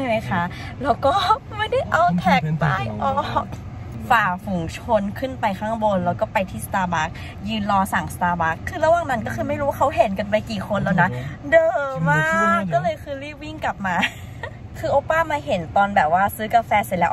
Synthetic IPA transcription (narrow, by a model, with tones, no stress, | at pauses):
t͡ɕa˥˩jma˦˥jkʰa˦˥˩ʔ | ɾɛː˦˧˥wkɔː˥˩ma˥˩jda˥˩jʔa˧wt̪ʰɛː˨˦˥k̚paː˧˩jʔɔː˧˥ | faː˨˩fu˨˩˦ŋt͡ɕʰo˧nkʰɯ˥˩npa˧jkʰaː˥˩ŋbo˧nlɛ˧˥wkɔː˥˩pa˧jt̪ʰiː˥˩st̪aː˧baː˦˥k̚ | jɯː˧nlɔː˧saː˨˩˦ŋst̪aː˧baː˦˥kʰːɯː˧la˧waː˨˩ŋna˦˥nkɔː˥˩kʰɯː˧ma˥˩jɾu˦wa˥˩kʰa˦˥wɦe˨˩˦nka˧npa˧jkiː˨˩kʰo˧nlaː˨˩wna˦˥dɤː˨˧maaː˥˩kːɔː˥˩lɤː˧jkʰɯː˧liː˥˩p̚wi˥˩ŋka˨˩p̚maː˧ | kʰɯː˧ʔoː˧˥paː˥˩maː˧ɦe˨˩˦nt̪ɔː˧nbɛː˨˩p̚waː˥˩sɯː˦˥ka˧fɛː˧sa˨˩lɛː˦˥